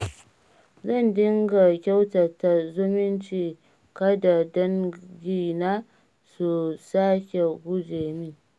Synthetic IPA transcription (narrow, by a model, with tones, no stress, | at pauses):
zɐ˦˨ndɪ˦ŋɡa˨kʲa˦wtɐ˨ta˨zʊ˦mɪ˦nt͡ʃiː˨ | kɐ˦da˨dɐ˦ŋɡʲiː˦˨naː˦ | su˨sa˦kʲe˨ɡʷʊ˦d͡ʒeː˨miː˦